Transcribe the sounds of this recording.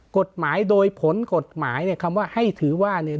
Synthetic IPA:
ko˨˩t̪̚maː˩˦jdoː˧jpʰo˩˦nko˨˩t̪̚maː˩˦jni˥˩ɐkʰa˧mwaː˥˩ha˥˩jt̪ʰɯː˩˦waː˥˩ni˧˩

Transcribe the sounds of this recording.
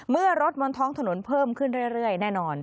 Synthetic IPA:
mɯ˥˩ɐɾo˦˥t̪̚mɔ˧nt̪ʰɔː˦˥ŋt̪ʰa˧no˩˦npʰɤː˥˩mkʰɯ˥˩nɾɯ˥˩jɾɯ˥˩əjnɛː˥˩nɔː˧n

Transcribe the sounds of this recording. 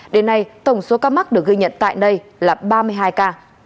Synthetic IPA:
ɗe˨˦nːa˧jt̪ə˨˩wŋ͡mso˨˦kaː˧ma˦˥k̚ɗɨ˨˩ək̚ɣi˧ɲə̰˧˨nt̪a̰ː˧˨jnə˧jlaː˨˩ɓaː˧mɨ˧əjɦaː˧jkaː˧

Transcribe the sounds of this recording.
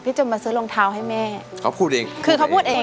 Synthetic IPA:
pʰiː˧˥˩t͡ɕo˧˩maː˧sɯː˧˦lo˧ŋt̪ʰaː˧wɦa˥˩jmɛː˥˩kʰa˧˥˩wpʰuː˥˩t̪̚ʔeː˧kʰɯː˧kʰa˧˩˧pʰuː˥˩t̪ʔeː˧

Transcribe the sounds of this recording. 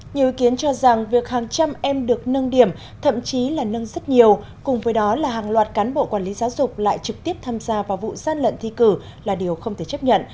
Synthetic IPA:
ɲi˨˩əwi˨˦ki˨˦ənt͡ɕɔ˧za˨˩ŋvi˨˩ək̚haː˨˩ŋt͡ɕa˧mʔɛ˧mɗɨ˨˩ək̚nə˧nɗi˨˧˩əm | t̪ʰə̰˧˨mt͡ɕi˨˦laː˨˩nə˧nzə˦˥t̚ɲi˨˩əw | kʊ˨˩ŋ͡mvəː˨˦jɗɔ˨˦laː˨˩ɦaː˨˩ŋlwaː˨˩t̚kaː˨˦nɓo̰˧˨kwaː˧˩nli˨˦zaː˨˦wzʊ˨˩k͡p̚la̰ː˧˨jt͡ɕɨ˨˩k̚t̪i˦˥əp̚t̪ʰaː˧mzaː˧vaː˨˩vṵ˧˨z̥aː˧nlə̰˧˨nt̪ʰi˧kɨ˧˩ | laː˨˩ɗi˨˩əwxə˧wŋ͡mt̪ʰe˧˩t͡ɕə˦˥p̚ɲə̰˧˨n

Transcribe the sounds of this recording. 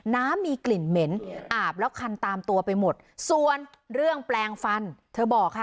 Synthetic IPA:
naː˦˥mːiː˧kli˨˩nme˩˦nʔaː˨˩p̚lɛː˦˥wkʰa˧nt̪aː˧mt̪u˧ɐpa˧jmo˨˩t̪̚su˨˩ən | ɾɯ˥˩əŋplɛː˧ŋfa˧nt̪ʰɤː˧bɔː˨˩k̚ʰːa˦˥˩

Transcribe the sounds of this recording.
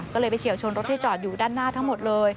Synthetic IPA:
kɔ˨˦lːjɓa˧˩t͡ɕi˨˩˦əwt͡ɕʰoː˧nɾo˦˥t̪̚ʰi˧˩t͡ɕɔː˨˩t̪̚juː˨˩ɗaː˧˩nːaː˥˩t̪ʰaː˨˦˥mo˨˩t̪̚ləː˧j

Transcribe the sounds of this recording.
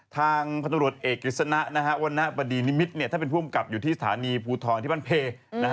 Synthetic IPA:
t̪ʰaː˧ŋpʰa˧ɾu˨˩ət̪̚ʔeː˨˩k̚ɾi˦˩t̪̚sa˧na˦˥ʔna˦˥kʰa˦˥ʔwa˧nːa˦˥ʔba˧diː˧ni˦˥mi˦˥t̪̚ni˥˩aː˥˩pe˧npʰu˥˩əmka˨˩p̚juː˨˩t̪ʰiː˥˩sḁ˧˩t̪ʰa̰ː˩˦niː˧pʰuː˧t̪ʰɔː˧nt̪ʰiː˥˩ba˥˩npʰeː˧na˦˥˦

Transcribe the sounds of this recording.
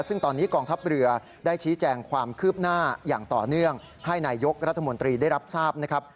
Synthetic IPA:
sɯ˥˩ŋt̪ɔː˧nːiː˦˥kɔː˧ŋt̪ʰa˦˥p̚ɾɯ˧ɐ | daː˥˩jt͡ɕʰiː˦˥t͡ɕɛː˧ŋkʰwaː˧mkʰɯː˥˩p̚naː˥˩jaː˨˩ŋt̪ɔ̰ː˨˩nɯ˥˩əŋ | ha˥˩jnaː˧jo˦˥k̚ɾa˦˥t̪ʰːa˧mo˧nt̪ɾiː˧da˥˩jɾa˦˥p̚saː˥˩p̚na˦˥kʰɾa˦˥p̚

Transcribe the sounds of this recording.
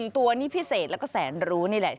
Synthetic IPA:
nt̪u˧ɐniː˦˥˩pʰi˦˥seː˨˩t̪lɛː˦˥wkɔː˥˩sɛː˩˦nɾuː˦˥niː˥˩lɛ˨˩

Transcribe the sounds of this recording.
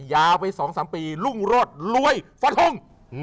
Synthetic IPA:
jaː˧wpʰa˧jsɔː˩˦ŋsaː˩˦mpiː˧lu˥˩ŋɾoː˥˩t̪̚lu˧˥əjfa˧˥t̪ʰo˧˥˩ŋ

